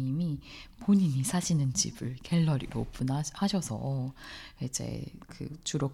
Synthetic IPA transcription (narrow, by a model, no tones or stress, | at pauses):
imipoɲiɲisʰaɕʰinɯnt͡ɕḭbɯɭke̞ɭːʌɾḭɾo̰pʰɯnahaɕʰʌsʰʌ̰ | id͡ʑe̞̰kɯ̰t͡ɕuɾok